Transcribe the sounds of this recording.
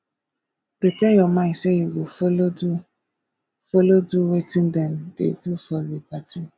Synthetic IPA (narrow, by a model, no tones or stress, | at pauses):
pɾipɛ̃jɔmãseiwofolodu | foloduwetĩndɛmdḛdufɔɾikati